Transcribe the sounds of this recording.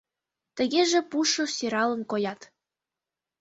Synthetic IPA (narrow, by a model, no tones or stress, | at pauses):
t̪ə̆ɣeʒĕpuʃosʲeɾɑlə̆nkojɑt̪